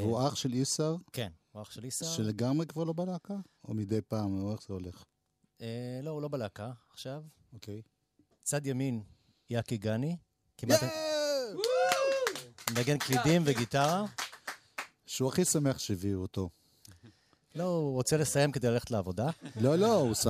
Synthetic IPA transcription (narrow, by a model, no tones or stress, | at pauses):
uaχʃelisaʁke̞nuaχʃelisaʃeleɡamʁekvaʁlobalakao̰mid̪ejpaːmoeχz̥eoleχ | eloulo̞balakaːχʃav | okej | t͡sad̪jamin | jakiɡani | kimat̪ | mlaɡenklid̪imveɡit̪aʁa | ʃeuaχisameχʃeviot̪o̞ | lo̞uʁot͡sele̞saje̞mked̪elale̞χetleavo̞dalolousa